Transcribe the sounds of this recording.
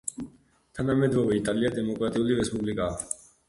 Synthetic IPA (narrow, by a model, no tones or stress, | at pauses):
t̪ʰanamɛd̪ɾɔvɛit̪ʼaliad̪ɛmɔkʼɾat̪ʼiuliɾɛspʼublikʼaː